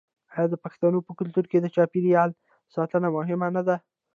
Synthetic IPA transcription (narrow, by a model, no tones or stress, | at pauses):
ɑjɑd̪əpɑkɪ̥st̪ɑnopəkʊlt̪uɾked̪ət͡ʃɑpiɾijɑl | sɑt̪ənamʊɦɪmanad̪a